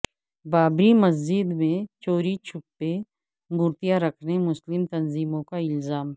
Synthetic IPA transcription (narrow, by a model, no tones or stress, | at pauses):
baːbɾimɐzd͡ʒɪd̪mẽt͡ʃoːɾit͡ʃʰʊpːe | mʊɾt̪ijaɾɐkʰnemʊslɪmt̪ɐnziːmõkaɪlzaːm